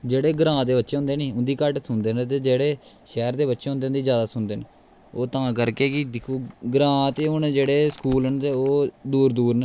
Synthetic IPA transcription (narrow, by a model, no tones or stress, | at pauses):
d͡ʒeːɽeːɡɾãːd̪eːbətːʃeːɦʊ̃nd̪eːneːʊ̃nd̪iːkəʈsʊnd̪eːnt̪eːd͡ʒeːɽeːʃɛːɾd̪eːbətːʃeːɦʊnd̪eːʊnd̪iːd͡ʒjaːd̪aːsʊnd̪eːne | oːt̪ãːkəɾkeːkɪd̪ɪkʰuːɡɾãːt̪eːʊnd͡ʒeːɽeːskuːlnt̪eːoːd̪uːɾd̪uːɾn